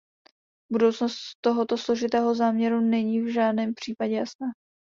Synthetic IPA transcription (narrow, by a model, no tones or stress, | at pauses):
budo̞wt͡sno̞st̪t̪ːo̞ɦot̪oslo̞ʒɪt̪ɛːɦo̞zaːmɲɛɾunɛɲiːvʒaːdnɛːmpr̥iːpaɟɛjasna